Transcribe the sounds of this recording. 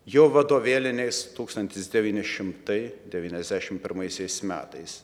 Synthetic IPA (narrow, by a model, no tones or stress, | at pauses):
joːʋɐd̪oːʋʲeːlʲɪnʲɛɪst̪uːkst̪ɐnʲt̪ʲɪsd̪ʲɛʋʲiːnʲɪʃʲɪmt̪ɐɪd̪ʲɛʋʲiːnʲɛzʲd̪ʲæːʃʲɪmpʲɪɾmɐɪsʲɛɪsmʲæ̰ːt̪ɐɪs